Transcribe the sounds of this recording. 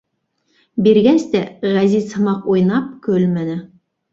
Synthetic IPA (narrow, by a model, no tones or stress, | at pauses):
biɾɡæst̪æʁæzizhɤ̆mɑqujnɑp̚kɵlmænɘ